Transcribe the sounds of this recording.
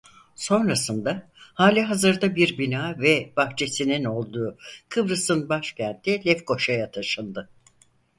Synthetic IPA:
so̞nɾasɯnd̪ahaːlʲiɦazɯɾd̪abiɾbinaːvɛb̥axt͡ʃʰe̞sinino̞lˠd̪uːkʰɯbɾɯsɯnbaʃcʰænt̪ʰilʲɛfko̞ʃajat̪ʰaʃɯnd̪ɯ

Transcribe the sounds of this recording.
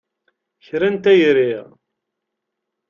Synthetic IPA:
çɾænt̪æjɾiʁ

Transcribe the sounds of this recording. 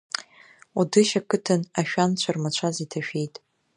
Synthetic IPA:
udɨʃakʰɨtʰɨnaʃᶣant͡ɕʷʰarmat͡ɕʷʰazitʰaʃᶣe̞jtʼ

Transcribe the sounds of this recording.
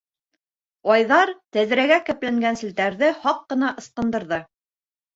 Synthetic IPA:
ɒjðɑɾt̪æðɾæɡækæ̆plæŋɡænsɘ̆lt̪æɾðɘhɑqːɤ̆nɑʔɤ̆sqɤ̆nd̪ɤ̆ɾðɤ

